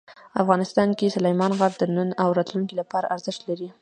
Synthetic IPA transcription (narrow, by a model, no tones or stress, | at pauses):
afɣɑnɪst̪ɑnkesʊlajmɑnɣaɡd̪ənənawɾɑt̪luŋkilapɑɾa̰ʔaɾzɪʃt̪laɾi